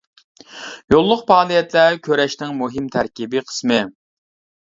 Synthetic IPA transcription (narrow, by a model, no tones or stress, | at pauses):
jolˠːʊqpɑːlˠijɛt̪lækʲʰøɾɛʃnɪŋmuɦɪmt̪ʰæɾkʲibɪqʰə̥smɨ